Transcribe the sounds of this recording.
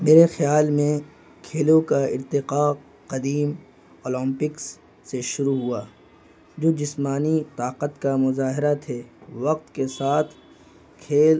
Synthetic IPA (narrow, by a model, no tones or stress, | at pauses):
meːɾexjaːlmẽ | kʰeːlõkaɪ̰ɾt̪ɪqa | qɐd̪iːm | oːlə̃mpɪksː | eʃʊɾuɦuaː | d͡ʒoːd͡ʒɪsmaːnit̪aːqət̪kamʊzaːɦɪɾat̪ʰeːʋɐq̚t̪kesaːt̪ʰ | kʰeːl